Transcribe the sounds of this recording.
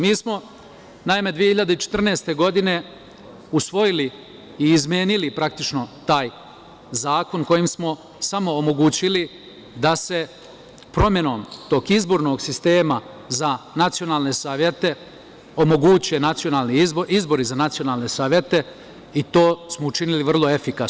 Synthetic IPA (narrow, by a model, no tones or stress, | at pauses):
miːsmo̞ | naime̞d̪ʋiehiʎad̪eit͡ʃet̪r̩neːst̪e̞ɡo̞d̪ine̞ | usʋo̞jili | iːzmʲje̞ːnilipɾak̚t̪it͡ʃno̞t̪aːj | zaːko̞nko̞jimsmo̞ | samo̞ːmo̞ɡut͡ɕili | d̪ase̞ | pɾo̞mje̞no̞ːmt̪o̞ːɡizbo̞ɾno̞ːɡsist̪e̞ːma | zanat̪sijo̞naːlˠne̞saːʋjet̪e̞ | o̞mo̞ɡuːt͡ɕije̞nat̪sijo̞nalˠnizizbo̞ɾizanat̪sijo̞naːlˠne̞saːʋjet̪e̞ | it̪o̞ːsmout͡ʃiniliʋr̩lˠo̞efikas